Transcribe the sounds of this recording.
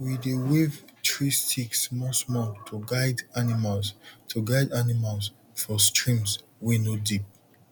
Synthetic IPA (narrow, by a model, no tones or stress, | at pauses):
widewevtɹistʰiksmɔsmɔtʰuɡaɪdanimalstʰuɡaɪdanimals | fɔstɹĩms | winodip̚